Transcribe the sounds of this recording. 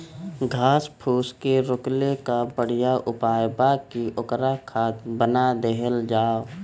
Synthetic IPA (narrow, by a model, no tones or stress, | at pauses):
ɡʱaːspʰuːskeɾʊklekabəɽ̤ijaʔʊpaːjbakiʔʊkɾakʰaːt̪bənad̪eɦəld͡ʒaː